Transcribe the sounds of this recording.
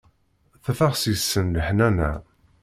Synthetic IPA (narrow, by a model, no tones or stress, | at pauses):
θæfæʁsjəsːənləħnænæ̰